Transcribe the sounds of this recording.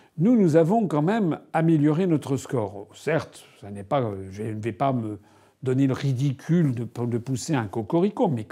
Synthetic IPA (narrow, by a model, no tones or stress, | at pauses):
nunuzavɔ̃kɑ̃mɛmameljɔʁenɔt̪χəskɔːʁsɛʁt̪sanɛpaʒənvɛpamə | d̪ɔneləʁid̪ikʲʰyld̪əpd̪əpuseɛ̃kɔkɔʁikõmɛ